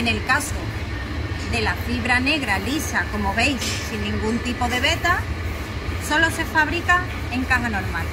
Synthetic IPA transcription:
ene̞lkaso | ðe̞lafiβ̞ɾane̞ɣɾalisako̞mo̞βe̞jsːinːĩŋɡunt̪ipo̞ð̞e̞βe̞t̪a | so̞lo̞se̞faβ̞ɾika | e̞ŋkaɦano̞ɾmal

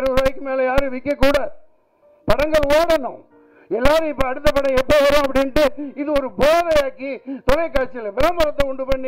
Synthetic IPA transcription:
ɾɯɾɐɪkːɯmeːlɐjaːɾɯʋɪkːɐkːuːɽɐ | pɐɽɐŋɡɐɭoːɽɐnʊ̃ | ɛlːaːɾɯɪpːɐɐɽɯt̪ːɐpːɐɽɐ̃ɛpːoːʋɐɾʊ̃ːɐp̬ːɐɽɪnʈːɯɪðɯɔɾɯboːðɐjaːkːit̪ɔlɐɪkːaːt͡ʃːɪlɐʋɪɾɐmbɐɾɐt̪ːɐʊɳɖɯpɐɳːi

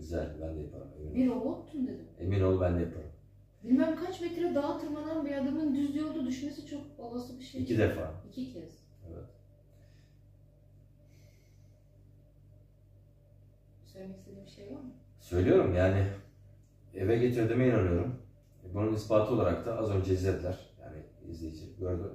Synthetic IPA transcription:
ɟyzæ̰lʲbænd̪ɛjapʰa̰ɾɯ̰meminbiɾo̞bot̪ʰːund̪e̞d̪ɪme̞mino̞lˠubænd̪ɛjapʰaɾɯm | bilʲmæmkʰat͡ʃmet̪ʲɾɛd̪aːt̪ʰɯɾmad̪anmɯjad̪abunund̪yzlʲijoɾˠd̪ud̪yʃme̞sit͡ʃʰo̞k̚babasɯbiʃeicʰid̪efa̰ːicʰicʰɛs | evɛ̰t̪ | søjmecʲsed̪ɛbiʃejvaɾmɯ | sø̞jlʲijo̞ɾumjaːnɪ | evɛɟe̞t̪ʰiɾd̪imɛinanɯjo̞ɾum | bununispaːt̪ʰɯolˠaɾak̚t̪ʰaʔazø̞nd͡ʒɛizlʲed̪ilʲæɾ̥ja̰ːnɪḭzlʲejed͡ʒɛc̚ɟøɾd̪y

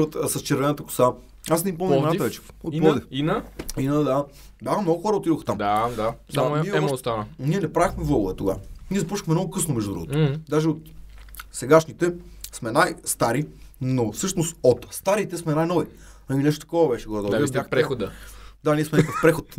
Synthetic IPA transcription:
ɾət̪sɐst͡ʃɛɾvɛnət̪əkʊ̥sa | asnipɔmnnat̪vɛt͡ʃɛ̥ot̪ɔd̪ifinəinəd̪a | d̪axəmnɔɡʊxɔɾəot̪id̪oxt̪amd̪ad̪asaɛiɛɛst̪anəniɛnɛpɾavɛxmɛvɔlvət̪oɡa̰niɛzɐpɔʃə̥xmɛmnɔɡʊkɤsnomɛʒd̪ud̪ɾṵɡo̰t̪od̪aʒɛot̪sɛɡaʃnit̪ɛsmɛnajst̪aɾinofsɤʃnost̪ot̪st̪aɾit̪ɛsmɛnajnɔvi | aminɛʃt̪ot̪ɐ̥kɔvɐbɛʃɛɡɔɾɔd̪st̪akpɾɛod̪əd̪aniɛsmɛnakəfpɾɛxot̪

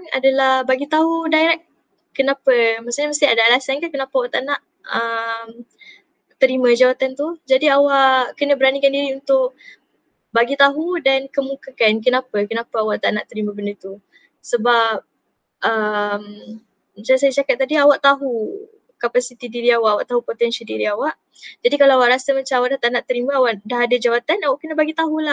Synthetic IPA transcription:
ŋa̰dalahbaɡit̪aɦudaiɾaʔ | kənapəmasaɲamast̪ɪadaalasankakənapawaʔt̪anaʔ | əm | t̪əɾimãd͡ʒawat̪ant̪ud͡ʒadiawaʔkənəbəɾanikandiɾiunt̪ʊʔ | baɡit̪aɦudankəmukakankənapəkənapaawaʔt̪aʔnaʔt̪əɾimãbəndət̪u | səbap̚ | əm | mət͡ʃalsajat͡ʃakat̪̚ːadiawaʔt̪aɦu | kapasit̪idiɾiawaʔawaʔt̪aɦupot̪ɛnsaldiɾiawaʔ | d͡ʒadikalaawaʔɾasamãt͡ʃaawaʔdat̪aʔnaʔt̪əɾimãawaʔdaɦadad͡ʒawat̪anawaʔkənə̃baɡit̪aɦulah

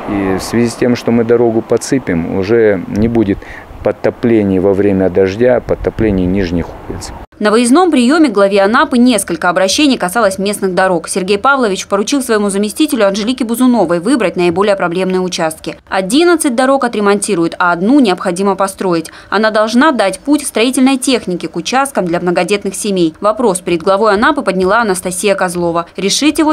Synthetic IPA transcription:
ifsvʲɪzʲisʲtʲe̞mʂt̪omɨd̪ɐɾo̞ɡʊpɐt̪sɨpʲɪmʊ̰ʐɛnʲɪbudʲɪt̪ | pət̪ːɐplʲenʲɪjvɐvɾʲemʲəd̪ɐʐdʲapəɐt̪ːɐplʲenʲɪjnʲiʐnʲɪjxuplʲɪ̰t̪snəvəjɪzno̞mpɾʲɪjo̞mʲɪɡlˠɐvʲeɐnapɨnʲe̞skəlʲkəɐbɾɐɕːenʲɪjkɐsɑlˠəsʲmʲe̞snɨɣd̪ɐɾo̞ksʲɪrɡʲejpavlˠəvʲɪt͡ɕpəɾʊt͡ɕilˠsvəjɪmuzəmʲɪsʲtʲitʲɪlʲʊɐnʐɨlʲikʲɪbʊzʊno̞vəjvɨbɾət̚ʲnəɪbo̞lʲɪjəpɾɐblʲe̞mnɨjəʊt͡ɕast̪̚kʲɪɐdʲinət̪sɨt̚ʲd̪ɐɾo̞kɐt̪ɾʲɪmɐnʲtʲiɾʊjɪt̪ɐːd̪nunʲɪɐpxɐdʲiməpɐst̪ɾo̞ɪtʲ | ɐ̰nad̪ɐlˠʐnad̪atʲputʲfst̪ɾɐitʲɪlʲnəjtʲe̞xnʲɪkʲɪkʊt͡ɕast̪̚kəmd̪lʲɐmnəɡɐdʲe̞t̪nɨxsʲɪmʲejvɐpɾo̞spʲɪɾʲɪd̪̚ɡlˠɐvo̞jɐnapɨpədʲnʲɪlˠaɐnəst̪ɐsʲijəkɐzlˠo̞vəɾʲɪʂɨtʲjɪvo

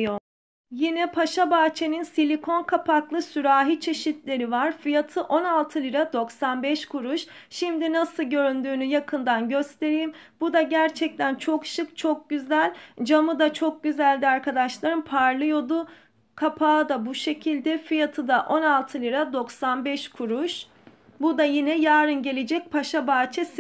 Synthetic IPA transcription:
o | jinɛpʰaʃabaːt͡ʃʰeninsilʲikʰo̞nkʰapʰaklˠɯsyɾaːɦit͡ʃʰe̞ʃit̪lʲe̞ɾivaɾfijat̪ʰɯʔo̞nalˠt̪ʰɯlʲˠiɾad̪o̞ksanbɛʃkʰuɾuʃ | ʃimd̪inasɯlˠɟø̞ɾynd̪yːnyjakʰɯnd̪anɟø̞st̪ʰe̞ɾijimbud̪aɟæɾt͡ʃʰɛc̚t̪ʰænt͡ʃʰo̞kʃɯkt͡ʃʰo̞k̚ɟyzælʲd͡ʒamɯd̪at͡ʃʰo̞k̚ɟyzælʲd̪iaɾkʰad̪aʃlˠaɾɯnpʰaɾlˠɯjo̞d̪ʊ | kʰapʰaːd̪abuʃe̞cʰilʲd̪ɛfijat̪ʰɯd̪aʔo̞nalˠt̪ʰɯlˠʲiɾad̪o̞ksanbɛʃkʰuɾuʃ | bud̪ajinɛjaːɾɯnɟe̞lʲed͡ʒɛc̚pʰaʃabaːt͡ʃʰɛs

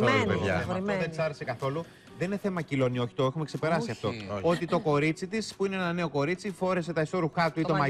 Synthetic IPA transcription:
opeʝɐ̰eɐoðent͡sɐɾese̞kɐθo̞lu | ðeneθe̞mɐcilo̞nio̞çi̥t̪o̞exumeksepe̞ɾɐsiɐft̪o̞o̞t̪it̪o̞ko̞ɾit͡sit̪ispuineenɐne̞o̞ko̞ɾit͡sifo̞ɾe̞s̬e̞t̪ɐiso̞ɾuxɐt̪uit̪omɐ

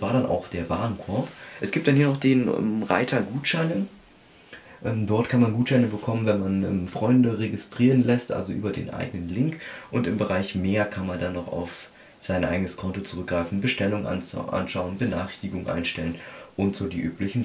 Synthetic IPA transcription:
v̥aːɐɾanʔa̰ʊxd̥eːɐvaːɐnkʰɔɐpʔɛsɡ̥iːp̚td̥anhiːɐnɔχd̥eːnmʁa̰ɪtʰɐɡuːtʃaɪnən | ʔɛmdɔɐtkʰanmanɡuːtʃaɪnəbəkʰɔmənvɛnmanɛmfʁ̥ɔʏndəʁeɡɪstʁ̥iːʁənlɛstʔa̰lzoʔy̰ːbɐdḛːnʔa̰ɪɡənənlɪŋkʔʊntɪmbəʁaɪçmeːɐkʰanmandanːɔχa̰ʊf | z̥aɪnʔa̰ɪɡənəskʰɔntot͡suʁʏk̚ɡ̥ʁaɪfn̩bəʃtɛlʊŋəʔa̰n̰ʔa̰nʃaʊənbəna̰ːχɪçtɪɡʊŋʔa̰ɪnʃtɛlənʔʊntz̥oːdiːʔyːplɪçn̩

